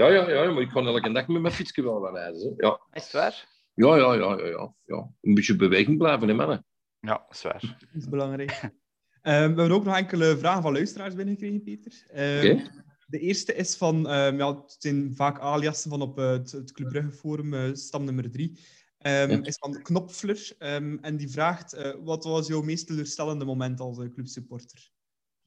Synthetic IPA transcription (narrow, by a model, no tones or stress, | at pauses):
jɑːjɑjɑjɑmɑɪkʰːɑneləkəndɛkəmɛmɛfiskəʋɛlˠwanɛːdəzɛjɑ̰saːɾ | jɑjɑjɑ̰jɑ̰jɑ̰ | jɑ̰ənbɪtjəbəʋeːɣəŋblɛːvənemɛnə | ja̰swa̰ːr | ɪsbəlɑŋrɛːk | əːmʋəɛbənoːknɔxɛŋkələvraːɣənvɑnlœɥstəɾaːrzbɪnəɣəkreːɣənpeːtərəːke | dəʔeːrstəʔɪsfɑnəːmjaːz̥ɛnvaːkaːlijɑsənvɑnɔpətətkləbrɵɣəfoːɾəməːstɑpnɵmərdɾi | əːmɪsfɑnknɔpflərəːmɛndivraːxtəːwɑtɑsjœwmeːstəløːrstɛləndəmomɛntɑlˠsəːklʉpsypɔrtə̥r